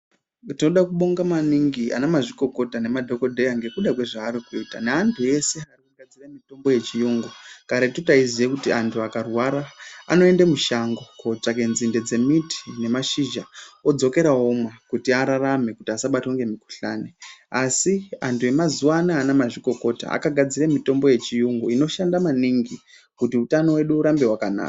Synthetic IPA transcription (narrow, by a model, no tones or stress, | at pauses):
tino̞ɗakuɓo̞ŋɡamaniŋɡia̰namaʐiko̞ko̞tane̞madʱo̞ko̞dʱejaŋɡe̞kuɗakwe̞ʐaːɾikuitaneantʰuje̞se̞arikuŋɡad͡ziramito̞mbo̞je̞t͡ʃijuːŋɡokaɾatutaizijekutiʔantʰuakarwaɾaːno̞e̞ndemuʃaŋɡo̞kot͡ʂak̬e̞nzinde̞d͡ze̞miti̥ne̞maʃiʒao̞d͡zo̞ke̞ɾaomwakutiaɾarame̞kutiasaɓatuŋɡe̞miku̥ɬa̰neasia̰ntʰuje̞mazuwanaːnamaʐiko̞ko̞ta̰a̰kaɡʱad͡ziremito̞mbo̞je̞t͡ʃijuŋɡuino̞ʃandamaniŋɡi | kutiutano̞we̞ɗuːɾambe̞ɦwakana̰ka